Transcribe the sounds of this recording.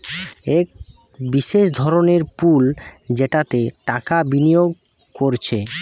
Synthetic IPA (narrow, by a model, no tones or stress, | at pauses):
ek̚ | biʃeʃd̪ʱɔɾoneɾpuld͡ʑeʈat̪eʈakabinijoɡ̚ | koɾt͡ɕʰe